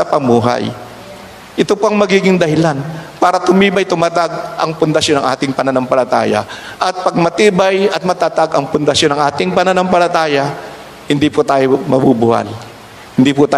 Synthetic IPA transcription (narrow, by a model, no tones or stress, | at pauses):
ɐpɐmuːɦa̰j | ʔɪt̪opoʔɐŋmɐɡiːɡɪŋd̪ɐhɪlanpaːɾɐt̪ʊmiːbɐjt̪ʊmaːt̪aɡ̚ʔɐŋpʊnd̪ɐʃjonɐ̰ŋʔa̰ːt̪ɪŋpɐnɐnɐŋpɐlɐt̪a̰ːjɐ̰ʔɐt̪̚pɐɡ̚mɐt̪iːbajɐt̪̚mɐt̪aːt̪aɡɐŋpʊnd̪ɐʃjonɐŋʔaːt̪ɪŋpɐnonoŋpɐlɐt̪aːjɐ | hɪnd̪iːpʊt̪aːjomɐbuːbʊha̰l | hɪnd̪iːpʊt̪a